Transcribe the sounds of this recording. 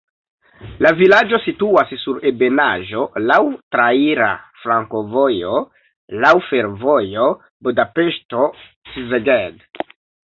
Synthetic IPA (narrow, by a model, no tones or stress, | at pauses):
lavilad͡ʒo̞situassuɾe̞be̞naʒo̞lawtɾaiɾa̰fɾaŋko̞vo̞jo̞ | lawfe̞ɾvo̞jo̞ | budapeʃto̞ | sizeɡed